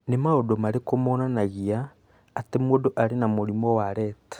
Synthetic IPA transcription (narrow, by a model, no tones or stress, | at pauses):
nemaodomaɾekomonanaɣiaː | temwodoʔaɾenamoɾimɔwaɾɛtḁ